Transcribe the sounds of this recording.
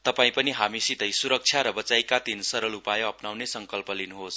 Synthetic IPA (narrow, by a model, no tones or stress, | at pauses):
t̪ʌpaĩpʌniɦamisit̪ʌjsuɾʌk̚t͡sʰjaɾʌbʌt͡sajkat̪insʌɾʌlupajoʌpnawnesʌŋkʌlpʌlinuɦos